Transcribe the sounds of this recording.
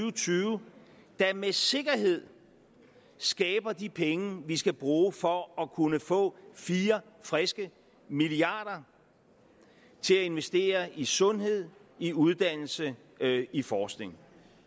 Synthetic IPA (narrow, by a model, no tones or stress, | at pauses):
ʊt͡sʰyːʊ | d̥æmese̝ɡ̥ɐɦe̝ð̞̰ˠ | sɡ̥ɛːb̥ɐd̥ipʰeŋəʋisɡ̥æb̥ʁuːfɒ̽ɒ̽kʰunəfɔ̰̽ːfiːɐ | fʁɛsɡ̥ə | miliɑ̰̈ːɾ̥ɐ | t͡sʰe̝læe̝nʋesd̥e̝̰ːɐʔisɔ̽nɦe̝ð̞̰ˠiuð̞ˠd̥æn̰l̩sə | ifɒːsɡ̥ne̝ŋ